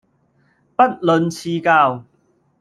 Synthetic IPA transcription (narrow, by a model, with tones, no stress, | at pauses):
pɐ˥t̚lɵ˨˧nt͡sʰiː˧kaː˧w